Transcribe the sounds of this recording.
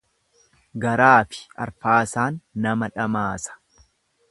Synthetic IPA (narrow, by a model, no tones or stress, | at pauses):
ɡɐɾaːfɪ̥ɐ̰ɾfaːsaːnːɐmɐᶑɐmaːsɐ̥